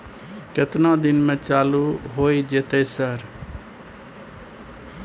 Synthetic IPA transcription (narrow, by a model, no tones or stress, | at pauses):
kɪt̪nãːd̪ɪnmẽːt͡ʃaːluːɦoːiːd͡ʒet̪eːsəɾ